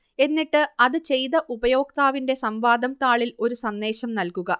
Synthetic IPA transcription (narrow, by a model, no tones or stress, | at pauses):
e̞nːiʈːɨɐðɨt͡ɕe̞jðɐʔubɐjo̞ːk̚t̪aːʋinde̞sɐmʋaːd̪ʱɐmt̪aːɭilo̞ɾusɐnːe̞ːɕɐmnɐlkuɣɐ